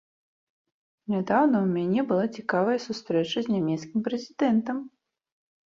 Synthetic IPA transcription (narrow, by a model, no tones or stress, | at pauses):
nʲad̪awnɐwmʲanʲɛbɨlˠat͡sʲikavɐjɐsust̪ɾɛt͡ʂɐzʲnʲamʲɛt̪skʲimpɾɛzʲid̪ɛnt̪ɐm